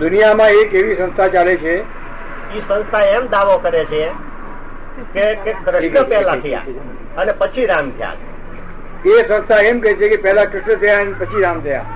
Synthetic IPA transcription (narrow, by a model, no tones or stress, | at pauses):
d̪ʊnijamãekeʋisə̃nst̪ʰat͡ʃalet͡ʃʰe | isə̃nst̪ʰaemd̪aʋõkəɾet͡ʃʰe | kekekɾəʃnəpɛɦlat̪ʰəja̰ | ənepət͡ʃʰiɾãmt̪ʰja̰l | esə̃nst̪ʰaemkəet͡ʃʰekepɛɦlakɾɪʃɳət̪ʰəjanepət͡ʃʰiɾamt̪ʰəja̰